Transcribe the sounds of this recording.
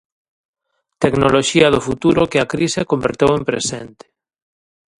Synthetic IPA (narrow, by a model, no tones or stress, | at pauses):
t̪eknoloʃiaðofut̪uɾokeakɾisekombeɾt̪ewẽmpɾḛsent̪e̥